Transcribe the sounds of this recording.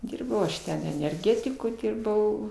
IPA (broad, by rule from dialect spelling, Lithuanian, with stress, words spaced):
ˈdʲiːrbɐʊ ɐʃ ˈtʲɛn ɛnʲɛrʲˈɡʲæːtʲɪkʊ ˈdʲɪrbɐʊ